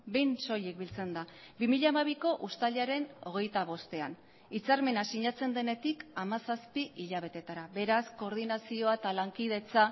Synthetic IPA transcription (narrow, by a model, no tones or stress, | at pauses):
bejnso̞jek̚bilt͡se̞nd̪abimiʎamaβiko̞ʔust̪aliaɾe̞no̞̰ɣ̞e̞jt̪aβ̞o̞st̪e̞an | it͡saɾme̞nasiɲat͡se̞nd̪e̞ne̞t̪ikamasaspiiʎaβ̞e̞t̪e̞t̪aɾaβe̞ɾasko̞ːɾð̞inasio̞aet̪alaŋkið̞e̞t͡sa